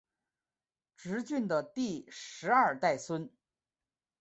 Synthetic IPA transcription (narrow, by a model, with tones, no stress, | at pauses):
ʈ͡ʂɻ̩˧˥t͡ɕy˥˩nd̪ə˩t̪i˥˩ʂɻ̩˧˥ɐ˞˥˧t̪a˥˩ɪswə˥n